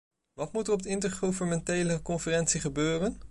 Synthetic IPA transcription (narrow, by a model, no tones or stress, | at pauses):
ʋɑtmutərɔpb̚dɪntəɹχuvənmɛntejləkɔnfərɛntsiχəbøːrən